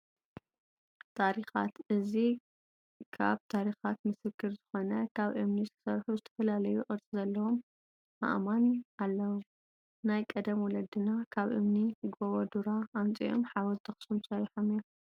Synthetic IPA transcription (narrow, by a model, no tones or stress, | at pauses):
t̪ʰaɾixa̰t̪ʔɨzi | kʰa̰βt̪ʰaɾixat̪mɨsɨkʰːɨɾzɨxo̞nɐkʰaβʔɨmniskʰɨ̥sɐɾħuzɨt̪ʰɐ̥fɐlalɐjuʔʼɨɾt͡sʼizɐlːɐwomː | a̰ʔmanalːɐwo | najkʼɐd̪ɐmwɔlɐd̪ɨnakʰaβʔɨ̰mniɡoβɐd̪uɾaʔːnt͡sʼḭʔo̰mħawɐzt̪ʰɐxsumsɐɾiħomi